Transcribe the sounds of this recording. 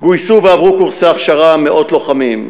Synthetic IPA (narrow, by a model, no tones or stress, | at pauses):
ɡujsuveavʁukuʁseaχʃaʁameʔo̞t̪lo̞χamim